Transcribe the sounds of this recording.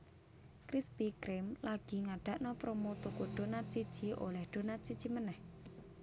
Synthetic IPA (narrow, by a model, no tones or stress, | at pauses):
kɾispikɾɪmlaɡ̥i̤ŋaɖ̥a̤ʔnɔpɾomot̪ukuɖ̪̥o̤nat̪̚sid̥ʒ̥i̤o̰lɛhɖ̪̥o̤nat̪̚sid̥d͡ʒ̥imənɛh